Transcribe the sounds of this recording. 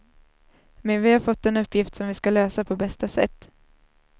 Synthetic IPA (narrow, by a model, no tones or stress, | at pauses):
mɛnvɪhaɾfɔt̪ːɛnɵpːjɪft̪sɔmvɪskaløːsapʰɔbɛst̪asɛ̰t̪ː